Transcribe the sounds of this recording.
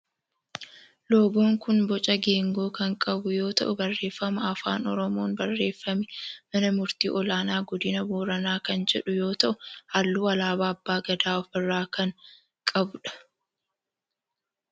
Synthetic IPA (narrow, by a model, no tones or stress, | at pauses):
loːɡo̞ːŋkʊnbɔt͡ʃʼɐɡe̞ːŋɡo̞ːkɐŋkʼɐbʊjo̞ːt̪ɐ̰ʔʊbɐrːe̞ːfːɐmɐɐfa̰ːnɔɾɔmo̞ːnbɐrːe̞ːfːɐmɪmɐnɐmʊɾt̪iːʔɔlaːnaːɡɔd̪ɪnɐbuːɾɐnaːkɐnd͡ʒɛ̰ᶑʊjo̞ːt̪ɐʔʊhɐlːuːɐlaːbaːɐbːaːɡɐd̪aːɔfɪrːaːkɐŋ | kʼɐbʊᶑɐ̥